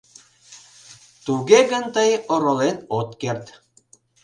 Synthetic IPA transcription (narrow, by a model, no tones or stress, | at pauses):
t̪uɣeɣənt̪əjoɾolenot̪kert̪